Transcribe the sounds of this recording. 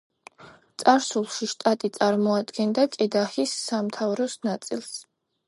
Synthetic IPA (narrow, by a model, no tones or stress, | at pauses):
t̪sʼaɾsulˠʃiʃt̪ʼat̪ʼit̪sʼaɾmɔad̪ɡɛnd̪akʼɛd̪aχisːamt̪ʰavɾɔsnat̪sʼḭlˠs